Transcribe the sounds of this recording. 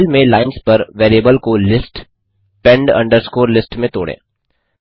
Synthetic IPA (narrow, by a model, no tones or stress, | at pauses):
lmẽlaːɪnspɐɾʋeːɾiebəlkolɪsʈ | pɛ̃ɳɖɐ̰̃ɳɖəɾskoːɾlɪsʈmẽt̪o̰ːɽḛ̃ː